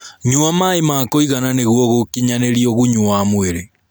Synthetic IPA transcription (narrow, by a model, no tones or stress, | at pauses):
ɲuamaemaːkoiɣananeɣwɔɣokiɲaneɾioɣuɲuamweɾe